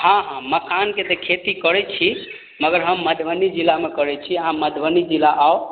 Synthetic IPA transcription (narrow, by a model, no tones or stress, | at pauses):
hãɦãməkʰanket̪ekʰet̪ikəɾɛt͡ʃʰi | məɡəɾɦəmːəd̪ʱbənid͡ʒilːamekəɾɛt͡ʃʰiɦãməd̪ʱbənid͡ʒilaʔao